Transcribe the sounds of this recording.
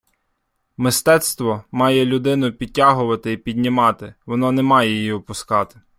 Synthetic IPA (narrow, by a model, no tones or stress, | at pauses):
mɪst̪ɛt̪st̪ʋɔmɑjɛlʲʊd̪ɪnʊpʲid̚ʲtʲːaɦʊʋɐt̪ɪipʲidʲnʲɪmɑt̪ɪʋɔnɔnɛmɑjɛjijiʊpʊskɑt̪ɪ̥